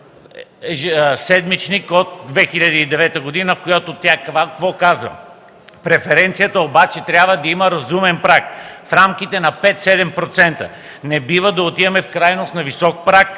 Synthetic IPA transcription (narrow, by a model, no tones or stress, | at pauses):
ʒsɛd̪mit͡ʃnikot̪̚d̪vɛxiʎʲɐd̪əid̪ɛvɛt̪əɡod̪inəkojat̪ot̪ʲjakvakkvɔkazvə̰ | pɾɛfɛɾɛnt̪sijət̪əobat͡ʃɛt̪ɾʲjabvəd̪ɐiməɾɐzumɛnpɾakfɾamkit̪ɛnɐpɛt̪sɛd̪ɛmpɾot̪sɛnt̪ə̰ | nɛbivəd̪ɐot̪ivɐmɛfkɾajnosnɐvisɔk̚pɾak̚